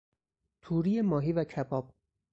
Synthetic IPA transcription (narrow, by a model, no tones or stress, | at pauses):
t̪ʰuːɾijemɒːɦiːvæcʰæbɒːb̥̚